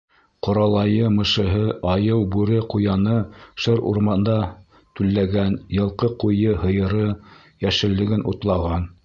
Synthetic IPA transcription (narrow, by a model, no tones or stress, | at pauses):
qŏɾɑlˠɑjɤmɤ̆ʃɤ̆ɦɤʔɑjɤwbʉɾɘqujɑnɤʃɤɾṵɾmɑnd̪ɑ | t̪ʉlːæɡænjɤ̆lˠqɤqujɤɦɤ̆jɤ̆ɾɤ | jæʃɘ̆lːɘ̆ɡɘnṵt̪lˠɑʁɑn